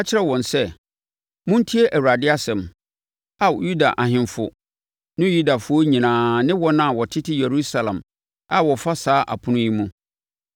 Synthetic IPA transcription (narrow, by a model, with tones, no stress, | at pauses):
a˦t͡ɕʰɪ˦ɛ˦˨wɔ̃˨nsɛ˦ | mʊ̃˦n˦tʰi˦e˦ʔæ˨wu˨ɾa˨dɪ˦a˦sɛ̃˨m | a˨ju˦da˨ʔa˨ɦɪ̃˨nfʊ˨ | nɪ̃˦ju˦da˨fʊ˦ɔ˦ɲĩ˨nãː˨nɪ̃˦wɔ˦nã˦˨wɔ˨tʰɪ˦tʰɪ˦je˨ɾu˦sa˨lã̰˨m | a˨wɔ˨fa˦saː˦ʔa̰˨pʰʊ̃˦nʊ̃˦ji˦mũ˦